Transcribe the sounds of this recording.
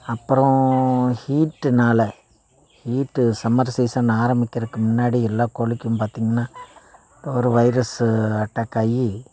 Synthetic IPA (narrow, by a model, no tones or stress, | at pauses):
ɐpːɯɾõhiːʈːɯnaːlɐ | hiːʈːɯsɐmɐɾsiːsɐnaːɾɐmbɪkʲːɪɾɯkːɯmʊnːaːɽiɛlːaːkoːlɪkːɯmpaːɾt̪iːŋɡɐnːaː | d̪ɔɾɯʋɐɪɾɐsɯɐʈːɐkɐji